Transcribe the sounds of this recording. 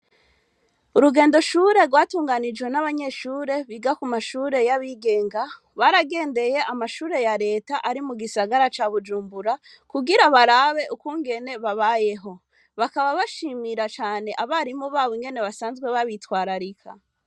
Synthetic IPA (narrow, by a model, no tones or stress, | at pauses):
uɾuɡe̞ːndo̞ʃuːɾe̞ɾɡwaːtuːŋɡanid͡ʒwe̞naβaɲe̞ʃuːɾe̞βiɡakumaʃuːɾe̞jaβiːɡe̞ːŋɡa | βaɾaɡe̞ːnde̞je̞ʔamaʃuːɾe̞jaɾe̞ːtaʔaɾimuɡisaɡaɾat͡ʃaːβud͡ʒuːmbuɾa | kuɡiɾaβaɾaβe̞ʔukuːŋɡe̞ne̞βaβaje̞ɦo̞ | βakaβaβaʃimiɾat͡ʃaːne̞ʔaβaɾimoβaːβoŋɡe̞ne̞βasaːnzɡwe̞βaβitwaːɾaɾikʰa̰